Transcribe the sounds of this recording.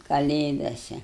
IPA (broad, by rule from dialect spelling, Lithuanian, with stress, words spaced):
kɐˈlʲeːdɐsʲɛ